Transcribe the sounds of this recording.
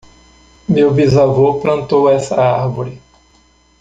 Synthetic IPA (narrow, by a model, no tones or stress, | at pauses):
mewvizavoplɐ̃nt̪owɛsɐaɾvoɾɪ